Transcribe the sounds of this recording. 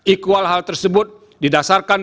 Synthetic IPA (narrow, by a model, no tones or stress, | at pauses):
ʔikualɦalt̪ərsəbʊt̪̚ | didasarkan